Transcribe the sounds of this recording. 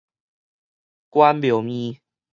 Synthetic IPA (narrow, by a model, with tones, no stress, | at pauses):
kwa˦npjo˨˦mĩ˦